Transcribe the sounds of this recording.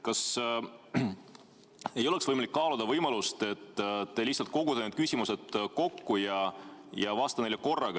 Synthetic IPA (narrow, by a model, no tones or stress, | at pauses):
kɑs | e̞jo̞le̞ksvɤjmɑlikːɑːlud̪ɑvɤjmɑlust̪e̞t̪ːt̪ːe̞lihsːɑlt̪̚ko̞ɡ̥ud̪eneːd̪̚kysʲimuse̞d̪̥ko̞kːujɑjɑvɑːst̪ɑne̞jleko̞rːɑɡ̥ɑ